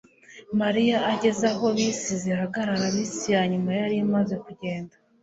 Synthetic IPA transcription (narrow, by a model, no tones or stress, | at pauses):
maɾijaːɟe̞zaɦo̞βisizihaɡaɾaɾaβiːsijaːɲumajaɾimaze̞kuɟe̞ːnda